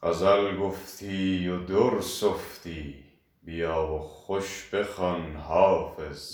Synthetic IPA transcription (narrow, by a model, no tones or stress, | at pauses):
qazalɡoft̪ʰiːjod̪oɾsoft̪ʰiː | bijɑːwoχoʃb̥exɑnhɑːfez̥